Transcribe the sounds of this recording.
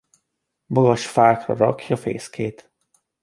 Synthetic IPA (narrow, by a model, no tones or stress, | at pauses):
moɡɒʃfaːkrɒ̰ɾɒ̰kʰjɒfḛːskʰeːt̪